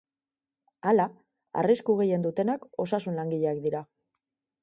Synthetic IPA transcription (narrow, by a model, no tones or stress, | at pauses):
ala | a̰riskuɣe̞je̞nd̪ut̪e̞nako̞sasunlaŋɡiʎeːkd̪iɾa